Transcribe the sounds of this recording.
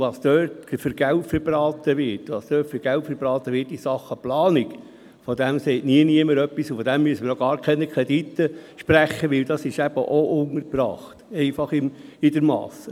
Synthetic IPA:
ʋɑːsd̪øːtfəɾɡ̥æltfəɾbrɑːt̪əʋɪtʋɑːsd̥̪œːtfəɾɡ̥æltfəɾbɾɑːt̪əʋɪɾtisɑχəplɑːnik | fɔd̪æmsɛɪtniəniəməɾœpːisufɔd̥̪æmːyəsəmənɔɡɑːɾkʰɛnəkʰɾɛd̥̪it̪ːəʃpɾæχːəʋɪld̥̪ɑsɪʃæb̥ə̰ʔoʔʊŋəɾpɾɑ̰ːχt̪ɛɪfɑχɪmɪd̪əɾmɑ̰ːs

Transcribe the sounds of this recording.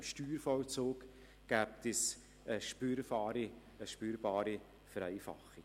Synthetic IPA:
mʃtyːɾfɔlt͡soːk | ɡ̥æːp̚tɛs | əʃpyɾfɑːɾi | əʃpyːɾbɑːɾi | fɛɾɛɪfɑ̰χi

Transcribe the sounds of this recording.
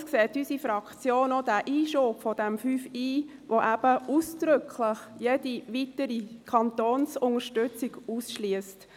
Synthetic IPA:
skseːtysifɾɑkt͡sjoːnodæːʔiːʃopfɔdɛmfyːfiː | ʋoʔæb̥əʔuːsd̥ɾʏkʰlɪχjediʋitəɾikʰɑntoːnsʊŋəʃtʏt͡siɡ̥uːsʃliəst

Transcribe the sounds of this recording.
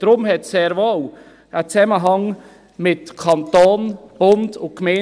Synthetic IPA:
d̥ɾʊmɦɛtsɛːɾvow | ət͡sɛməɦɑŋ | mɪtkʰɑnt̪oːnb̥ʊndʊkmɛ

